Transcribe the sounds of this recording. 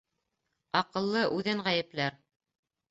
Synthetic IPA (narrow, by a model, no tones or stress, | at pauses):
ɑqɤ̆lˠːɤʔʉðɘɴʁæjɘ̆plæɾ